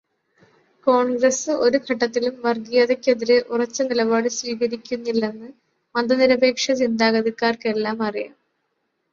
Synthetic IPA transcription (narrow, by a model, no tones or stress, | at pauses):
ko̞ːɳɡrɐsɨʔo̞ɾukʰɐʈːɐt̪ːilumʋɐrɡijɐðekʲːeðiɾeʔurɐt͡ɕːɨnilɐbaːɽɨsʋiːɣɐɾikʲːunːilːe̞nːɨ | mɐnd̪ɐniɾɐbe̞ːkʂɐt͡ɕind̪aːɣɐðikːaːrke̞lːaːmɐrija̰ːm